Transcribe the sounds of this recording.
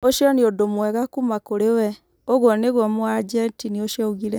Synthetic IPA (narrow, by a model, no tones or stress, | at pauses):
oʃjɔniodomwɛɣakumakoɾewɛ | oɣwɔneɣwɔmuwad͡ʒetinioʃjouɣiɾe